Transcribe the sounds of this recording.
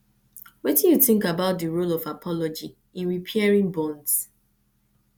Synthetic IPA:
wɛtĩnjuθɪ̃ŋkabaʊt̚dəɹolɔvapʰɔlɔd͡ʒi | ĩnɹipʰɛɹĩŋbɔ̃nds

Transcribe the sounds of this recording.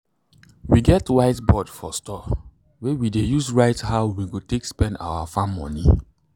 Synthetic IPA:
wiɡɛtwaɪtbɔdfɔstɔ | wewidejusɹaɪthaʊwiɡotekspɛ̃nda̰wafãmmɔ̰̃nḭ

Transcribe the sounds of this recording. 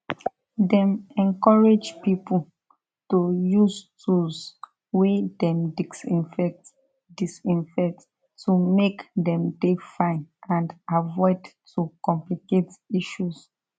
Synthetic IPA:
dɛ̃mɛ̃nkɔɹed͡ʒpipu | tojustus | wedɛ̃mdisĩfɛkt | disĩnfɛtː | umekdɛ̃mdefãɪ̃nãndavɔɪdtʰːukɔ̃mpliketiʃus

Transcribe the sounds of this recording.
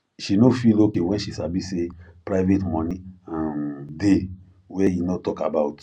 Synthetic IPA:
ʃinofilokewɛ̃nʃisabisepɾaɪvetmɔ̃nĩãnde | wɛjinɔtɔkabawt

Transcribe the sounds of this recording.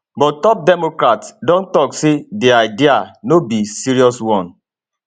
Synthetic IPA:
bɔttɔp̚dɛmokɾatsdɔ̃ntɔksedeaɪdianobisiɾiɔswɔ̃n

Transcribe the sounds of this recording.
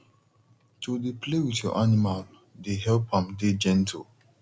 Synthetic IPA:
todeplewitjɔ̰ʔanimal | deɦɛlpʰãmded͡ʒɛ̃ntʰḭ

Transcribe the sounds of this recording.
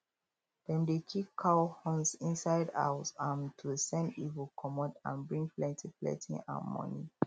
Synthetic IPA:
dɛ̃ndekʰikʰːaʊhɔ̃nsĩnsaɪda̰ʊsãntʰusɛ̃ndivəlkʰɔmɔ̃dã̰nbɹĩŋplɛ̃ntʰiplɛ̰̃tḭ̃ŋã̰nmɔ̰nḭ

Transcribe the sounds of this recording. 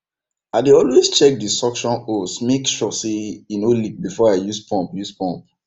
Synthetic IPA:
aɪdeɔlwest͡ʃɛk̚distɔkʃɔ̃nosmekʃɔseinolik̚bifɔaɪjuspʰɔ̃mpjuspɔ̃mp̚

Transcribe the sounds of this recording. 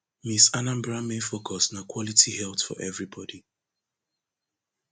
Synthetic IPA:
misanãmbɹãmefokʰɔsnakwɔlitʰihɛltfɔ̰ʔɛvɹibɔdi

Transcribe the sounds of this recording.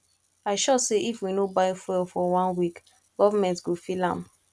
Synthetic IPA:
aɪʃɔseʔifwinobaɪfɛlfɔwãnwik | ɡ̥ɔvamɛ̃ntɡofilã̰m

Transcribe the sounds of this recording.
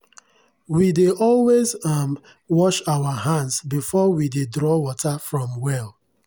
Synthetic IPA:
wideʔɔlwezam | wɔʃawaɦãndzbifɔwidedɾɔwɔtafɹɔ̃mwɛl

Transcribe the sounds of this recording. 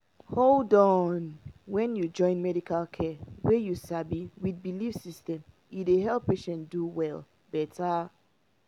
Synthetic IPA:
holdɔ̃nwɛ̃njud͡ʒɔ̃ɪ̃nmɛdikʰalkʰɛwejusabiwid̚bilifsistɛ̃m | ideɦɛlˠpːeʃɛ̃nduwɛl | bɛta

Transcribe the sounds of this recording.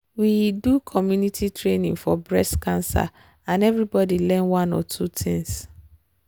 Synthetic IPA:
widukʰɔmjunitʰitʰɹenĩŋfɔbɹɛskʰãnsa̰ | ãnɛvɹibɔdilɛ̃nwãnɔ̰tʰutʰĩŋs

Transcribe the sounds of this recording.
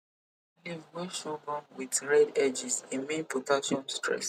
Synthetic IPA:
livwɛʃɔɡɔ̃nwitɹɛdɛd͡ʒisĩmẽnpotaʃɔ̃nstɹɛ̰s

